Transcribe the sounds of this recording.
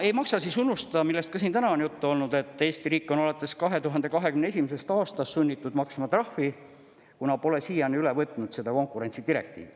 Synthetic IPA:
e̞jmɑksɑsisunːust̪ɑmilːe̞st̪̚kɑsint̪ænɑnjut̪ːuo̞lnud̪̥e̞t̪ːˑe̞ːst̪iɾiːkːˑono̞let̪ːˑe̞skɑɦe̞t̪uɦɑnd̪e̞kɑɦe̞kymnees̬ʲimese̞st̪ɑːst̪ɑst̪sunʲːit̪ːˑud̪mɑksmɑt̪rɑhvi | kunɑpo̞lesiːjɑnylevɤt̪ːˑnud̪̥se̞d̪̥ɑko̞ŋkˑuɾe̞nʲt̪sid̪iɾe̞̰k̚t̪ḭːv

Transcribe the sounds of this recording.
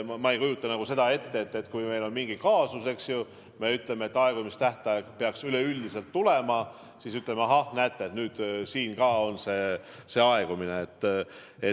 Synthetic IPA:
mɑejkujut̪ˑːɑnæɡ̥use̞d̪ɑe̞t̪ːe̞et̪ːe̞t̪ːkujme̞jlo̞nmiŋɡikɑːsuse̞ksju | me̞yt̪le̞meet̪ːɑeɡ̥umist̪æht̪ɑeɡ̥peɑksyle̞ylʲd̪ise̞lt̪ːule̞mɑ | sisyt̪lemeɑɦɑhnæːt̪ːˑeet̪nyːd̪̥siːnkɑːo̞nse̞ː | se̞ɑe̞ɡ̥umineet̪ː | e

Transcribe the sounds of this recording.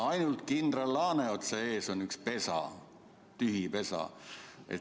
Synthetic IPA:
ɑjnult̪kind̪̥relːɑːneot̪seeːso̞nykspe̞sɑ̰ | t̪yɦipe̞sɑ̰ḛ

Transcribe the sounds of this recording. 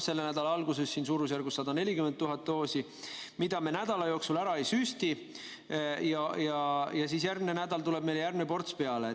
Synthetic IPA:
se̞lːenæd̪̥ɑlɑɑlɡ̥use̞sːiːnsuːɾusjærɡusːɑd̪ɑne̞lʲikyment̪ːuɦɑt̪ːo̞ːsi | mid̪̥ɑme̞næd̪̥ɑlɑjo̞ːksulæɾɑe̞jsyːst̪i | jɑjɑjɑsiːsjærɡ̚mine̞næd̪̥ɑlt̪ule̞b̥̚me̞jljærɡnepo̞rt̪spe̞ɑle

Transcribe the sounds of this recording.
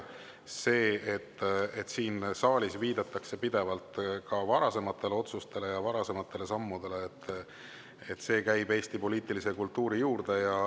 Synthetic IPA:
se̞ːet̪ːˑet̪ːsiːnsɑːlʲisviːd̪̥ɑt̪ːˑɑkse̞pid̪e̞vɑlt̪ˑkɑvɑɾɑse̞mɑt̪ːˑe̞le̞o̞t̪sust̪e̞le̞jɑvɑɾɑse̞mɑt̪ˑːe̞le̞sɑmːud̪̥e̞le̞ːt̪ːˑ | et̪ːˑse̞ːkæjbe̞ːst̪ipo̞liːt̪ˑilise̞kult̪ːuːɾijuːrd̪̥e̞jɑ

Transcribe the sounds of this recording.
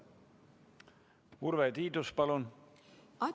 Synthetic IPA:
uɾvet̪iːd̪uspɑlun | ɑ

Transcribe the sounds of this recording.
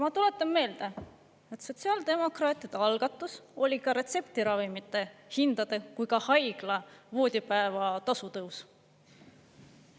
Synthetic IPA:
mɑt̪ule̞t̪ːˑɑmme̞ːld̪̥ɑ | e̞t̪so̞t̪ʲsiɑːld̪̥e̞mo̞krɑːt̪ʲˑid̪̥eɑlɡ̥ɑt̪ːˑuso̞lʲikɑɾe̞t̪se̞pt̪iɾɑvimit̪ːˑe̞hind̪̥ɑd̪̥ekujkɑhɑjɡ̥lɑvo̞ːd̪̥ʲipæevɑt̪ɑsut̪ɤws

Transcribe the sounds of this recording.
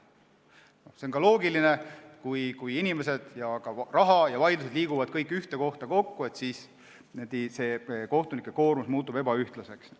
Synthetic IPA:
no̞hseoŋkɑlo̞ːɡiline̞kujkujinime̞se̞d̪̥jɑkɑrɑɦɑjɑvɑjlus̬ed̪liːɡuvɑd̪̥kɤjkːˑyht̪e̞ko̞ht̪ɑko̞kːue̞t̪siːs | ned̪ise̞ːko̞ht̪unikːˑeko̞ːrmusmuːt̪ːˑub̥e̞bɑyht̪lɑse̞ks

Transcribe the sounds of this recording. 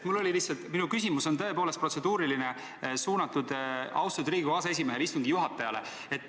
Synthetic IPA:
t̪mulːo̞lʲilihsɑlt̪minukys̬ʲimuso̞nt̪ɤ̞e̞poːle̞st̪pro̞t̪se̞d̪uːɾiline̞ | suːnɑt̪ːˑud̪̥ɑ̰wst̪ud̪riːɡuɑsee̞s̬ʲime̞ɦelist̪uŋɡijuɦɑt̪ːˑɑjɑle̞̰ | e̞t̪ːˑ

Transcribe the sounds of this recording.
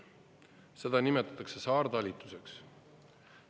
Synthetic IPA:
se̞d̪̥ɑnimet̪ːˑɑ̥t̪ːˑɑkse̞sɑːrd̪ɑlʲit̪ːˑu̥se̞ks

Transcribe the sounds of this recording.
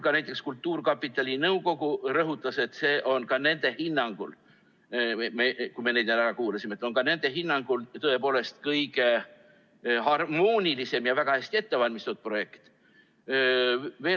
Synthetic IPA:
kɑnæjt̪ːˑe̞kskult̪ˑːuːrkɑpːˑit̪ːˑɑlʲinɤwko̞ɡ̥urɤɦut̪ˑːɑse̞t̪se̞ːʔo̞nkɑne̞nd̪̥e̞hinːɑŋɡ̥ṵl | mekujmened̪nælæɾɑkuːlesime̞t̪ːˑo̞nkɑne̞nd̪̥e̞ɦinːɑŋɡ̥ult̪ɤe̞po̞ːle̞st̪kɤjɡ̥e̞ | ɦɑrmo̞ːnʲilise̞mjɑvæɡ̥ɑhæsʲt̪ie̞t̪ːe̞vɑlʲmist̪ot̪̚pro̞je̞kt̪ | ve̞ː

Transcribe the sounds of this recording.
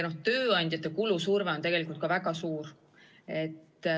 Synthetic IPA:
noht̪øːɑnʲd̪̥ʲjɑt̪ːˑekulusurveot̪e̞ɡ̥e̞likult̪kɑvæɡɑsuːr | e̞t̪ː

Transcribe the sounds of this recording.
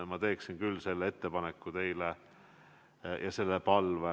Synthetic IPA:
mɑt̪e̞ːksinkylːse̞lːeet̪ːe̞pɑnekːˑut̪e̞jle | jɑse̞lːepɑlve

